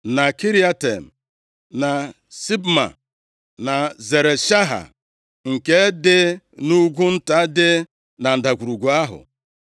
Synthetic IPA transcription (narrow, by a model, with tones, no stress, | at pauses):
na˨ki˦ɾi˦a˦te˨m̩˨ | na˨ | si˦bma̰˨ | na˨ze˨ɾe˨ʃa˦ɦa̰˨ | ŋ̩˨ke˦dɪ˦ | nu˦ɡʷu˦n̩˦ta˦dɪ˦ | na˨n̩˨da˨kʷu˨ɾu˨ɡʷu˨a˦ɦʊ̰˨